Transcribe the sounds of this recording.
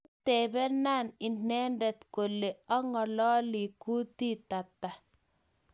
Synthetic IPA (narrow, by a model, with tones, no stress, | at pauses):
t̪ɛ˨bɛ˦na˦˨nɪ˨nɛ˦ndɛ˨t̪ko˨lːe˨ɔ˦ŋɔ˨lɔ˦li˨ku˦t̪i˦t̪a˨t̪ːa˨